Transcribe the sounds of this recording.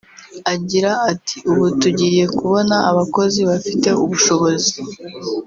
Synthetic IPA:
aɟiɾaːtʰi̥uβutuɟiːje̞kuβo̞naaβako̞ziβafite̞uβuʃo̞βo̞zi

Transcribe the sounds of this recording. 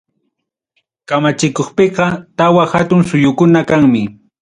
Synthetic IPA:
kamat͡ʃɪkoχpeqɑt̪awaxat̪ʊŋsʊjʊkʊnakaŋmɪ

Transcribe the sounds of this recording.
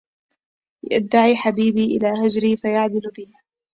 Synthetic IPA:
ja̰d̪ːaʕiːħabiːbiːʔɪ̰laːɦad͡ʒɾiːfajaʕd̪ɪlbɪh

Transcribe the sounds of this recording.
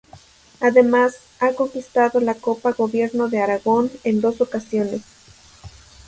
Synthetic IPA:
aðe̞mas | ako̞ŋkist̪aðo̞lako̞paɣo̞βje̞ɾno̞ðe̞aɾaɣo̞ne̞nd̪o̞so̞kasjo̞ne̞s

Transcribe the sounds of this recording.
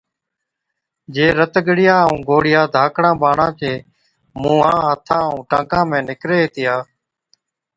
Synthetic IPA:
d͡ʒeːɾət̪ɡəɽɪjaːũːɡoːɽɪjaːd̪ʱaːkɽãːbaːɳãːt͡ʃeː | mũːãːɦət̪ʰãːũːʈãːkãːmẽːnɪkɾeːeːt̪ɪjaː

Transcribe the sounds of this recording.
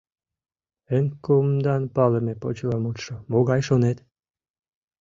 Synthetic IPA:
enkumd̪ɑnpɑlemepot͡ɕlɑmut̪ʃomoɣɑjʃonet̪

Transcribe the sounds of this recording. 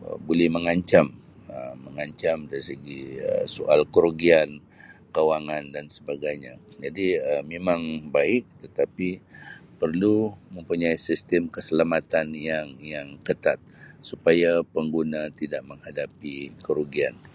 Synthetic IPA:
ə̰bulɛhməŋaɲt͡ʃam | əːəŋaɲt͡ʃamdaɾisəɡiə̰soʔa̰lkəɾuɡian | kawaŋandansəbaɡajɲad͡ʒadiəmemaŋbaɪk̚t̪ət̪apipərluməmpuɲaisist̪əmkəsəlamat̪anjaŋjaŋkət̪at̪̚supajapəŋɡunat̪idaʔ̚məŋhadapikəɾuɡian

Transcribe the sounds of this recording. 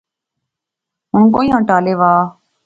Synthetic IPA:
ɦʊɳkoːiːɦãːʈaːleːʋaː

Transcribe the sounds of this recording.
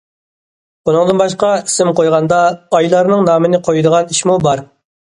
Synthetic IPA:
bunɨŋd̪ɨnbɑʃqɑisɪmqʰojʁɑnd̪ɑɑjlˠɑɾnɨŋnɑːmɨnɪqʰojud̪əʁɑniʃmubɑɾ

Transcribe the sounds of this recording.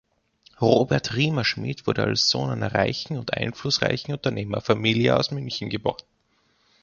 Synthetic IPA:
ʁoːbɛɐtʁiːmɐʃmḭːtv̥ʊɐɾəa̰lsz̥o̰ːnʔaɪnɐʁa̰ɪçn̩ʊntʔa̰ɪnflʊsʁa̰ɪçn̩ʊntɐneːmɐfamiːljə̰a̰ʊsmʏnçn̩ɡəbo̰ːɐd

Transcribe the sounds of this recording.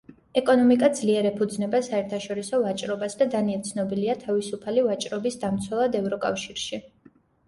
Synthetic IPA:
ɛkʼɔnɔmikʼad̪zliɛɾɛpʰud̪znɛbasaɛɾt̪ʰaʃɔɾisɔvat͡ʃʼɾɔbasd̪ad̪aniɛt̪sʰnɔbiliat̪ʰavisupʰalivat͡ʃʼɾɔbisd̪amt̪sʰwɛlˠad̪ɛvɾɔkʼafʃiɾʃi

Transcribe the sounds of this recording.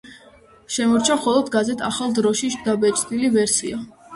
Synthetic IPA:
ʃɛmɔɾt͡ʃʰaχɔlˠɔd̪ɡazɛt̪ʰa̰χalˠd̪ɾɔʃiʃd̪abɛt͡ʃʼt̪ʼilivɛɾsḭa

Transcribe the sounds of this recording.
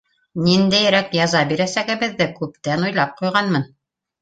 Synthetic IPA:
nind̪æjɾækjɑzɑbiɾæsæɡɘ̆βɘ̆ðːɘkʉpt̪ænujlˠɑp̚qujʁɑnmɤn

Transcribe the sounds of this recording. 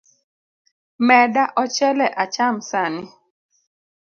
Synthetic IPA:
mɛdaʔɔt͡ʃɛlɛʔat͡ʃamsanɪ

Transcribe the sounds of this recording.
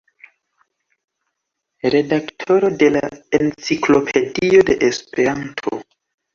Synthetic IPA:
ɾe̞daktʰo̞ɾo̞de̞laent͡siklo̞pʰe̞dio̞de̞ʔespe̞ɾantʰo̞̰

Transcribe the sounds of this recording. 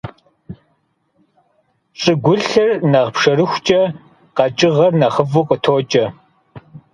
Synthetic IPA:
ɕʼɨɡʷʊɬɨrnɐʁpʂɐrɨxʷt͡ʃʼɐ | qɐt͡ʃʼɪʁɐrnɐχəvuqʼətʰoːt͡ʃʼɐ

